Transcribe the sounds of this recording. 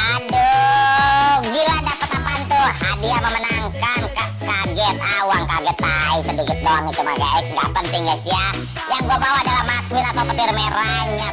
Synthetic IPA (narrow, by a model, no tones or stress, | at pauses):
adu | ɡiladapət̪apant̪uhadiaməmənaŋkanka | kaɡɛt̪̚auaŋkaɡɛt̪ːaisədikɪt̪̚koaŋit̪uma̰ɡa̰jsŋɡa̰pənt̪ɪŋɡasia | jaŋɡuabawadalamakswinat̪apət̪irmeɾaɲa